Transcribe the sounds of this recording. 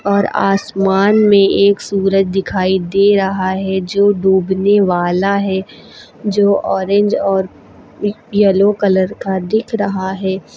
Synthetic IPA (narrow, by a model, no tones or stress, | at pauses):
ɔːɾa̰ːsmaːnmẽeːksuːɾət̪̚d̪ɪkʰaːid̪eːɾɐɦaɦɛd͡ʒoːɖuːbneʋaːlaɦɛː | d͡ʒoːʔɔːɾẽɲd͡ʒɔːɾ | jɛlokɐləɾkad̪ɪkʰɾɐɦaɦɛː